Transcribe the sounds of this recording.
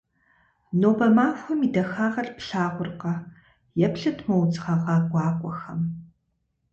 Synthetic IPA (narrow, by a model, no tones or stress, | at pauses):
noːbɐmaːfxʷʊmidɐxaːʁɐrpɬaːʁʷʊrqɐ | jɛpɬɨtʰmɐwt͡sʼʁɐʁɑːɡʷɑːkʷʼɔxɐm